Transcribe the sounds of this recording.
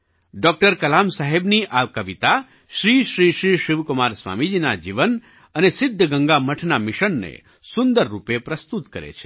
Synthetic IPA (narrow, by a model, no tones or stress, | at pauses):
ɖɔk̚ʈəɾkəlamsaɦebniʔakəʋit̪a | ʃɾiʃɾiʃɾiʃɪʋkumaɾsʋa̰mid͡ʒinad͡ʒiʋən | ənesɪd̪ʱːəɡəŋɡaməʈʰnamɪʃənːḛ | sund̪əɾːupepɾəst̪ut̪kəɾḛt͡ʃʰe̥